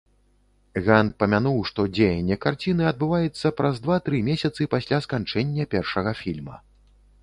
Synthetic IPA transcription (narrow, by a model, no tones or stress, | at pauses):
ɣanpɐmʲanuwʂt̪ɔd͡zʲejɐnʲːɛkart͡sʲinɨɐd̪̚bɨvajɛt̪sːɐpɾʔɐzd̪vat̪ɾɨmʲesʲɐt̪sɨpasʲlʲaskant͡ʂɛnʲːɐpʲɛrʂɐɣɐfʲilʲmɐ̰